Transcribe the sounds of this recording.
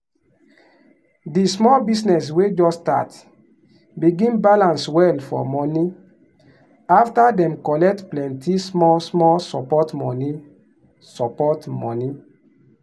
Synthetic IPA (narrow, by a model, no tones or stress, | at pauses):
dismɔlbisnɛs̬wed͡ʒɔsta̰t | biɡĩnbalãnswɛlfɔ̰mɔni | aftadɛ̃mkɔlɛk̚tplɛ̃ntismɔsmɔlsɔpɔtmɔni | sɔpɔtmɔ̃ni